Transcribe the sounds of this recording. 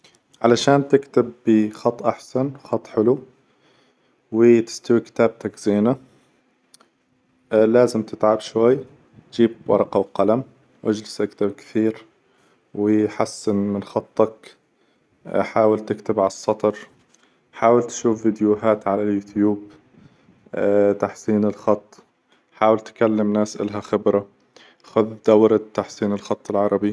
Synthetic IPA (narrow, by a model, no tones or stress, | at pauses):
ʕalaʃaːnt̪ɪkt̪ɪbːixɑt̪ˤːʔaħsanwxɑt̪ˤːħɪlu | wɪt̪ɪ̥st̪awikɪ̥t̪aːb̚t̪akz̥eːna | laːzɪmt̪ɪt̪ʕabʃwajː | t̪d͡ʒiːb̚wɑ̰ɾˤɑqɑwqalam | wʔad͡ʒlɪsʔakt̪ab̚kɪ̥θiːɾ | wɪħasːɪnmɪnxɑt̪ˤːɑk | ħaːwɪlt̪ɪkt̪ɪbʕasˤːɑt̪ˤɑɾˤ | ħaːwɪlt̪ʃuːfvid̪jʊɦaːt̪ʕalaljuːt̪juːb | t̪aħsiːnɪlxɑt̪ˤː | ħaːwɪlt̪kalːɪmnaːsʔɪ̰lɦaxɪbɾa | xʊðd̪awɾɑt̪ːaħsiːnɪlxɑt̪ˤːɪlʕɑɾˤɑbi